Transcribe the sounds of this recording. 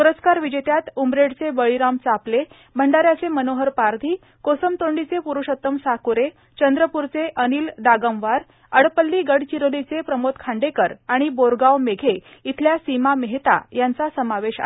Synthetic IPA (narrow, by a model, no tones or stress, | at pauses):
puɾəskaɾʋid͡ʑet̪jat̪umɾeɽt͡sebəɭiɾamt͡saple | b̤ʱəɳɖaɾjat͡semənoɦəɾpaɾd̪ʱiː | kosəmt̪oɳɖit͡sepuɾuʂət̪ːəmsakuɾe | t͡ɕənd̪ɾəpuɾt͡seʔəniːld̪aɡəmʋaɾ | əɽpəlːiːɡəɽt͡ɕiɾolit͡sepɾəmot̪̚kʰaɳɖekəɾaɽ̃iboɾɡawmeɡʱe | it̪ʰljasimameɦt̪a̰jant͡sasəmaʋeɕa̰